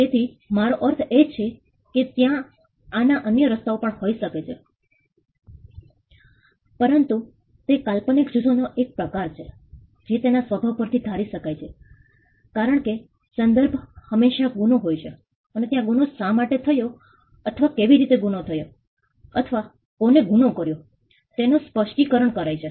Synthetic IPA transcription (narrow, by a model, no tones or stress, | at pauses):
t̪et̪ʰi | maɾoʔəɾt̪ʰet͡ʃʰe | ket̪jãː | naʔənjəɾəst̪aopəɳhoiʃəket͡ʃʰe | pəɾənt̪u | t̪ekalpənikd͡ʒud̪ʰʱonoʔek̚pɾəkaɾt͡ʃʰe | d͡ʒet̪enasʋəbʱaʋpəɾt̪ʰid̪ʱaɾiʃəkajt͡ʃʰe | kaɾəɳke | sənd̪əɾbʱhəmeʃaɡunoɦojt͡ʃʰe | ənet̪jãɡunosamaʈet̪ʰəjo | ət̪ʰəʋakeʋiɾit̪eɡunot̪ʰəjo | ət̪ʰəʋa | koneɡunokəɾjo | t̪enospəʃʈikəɾəɳkəɾajt͡ʃʰe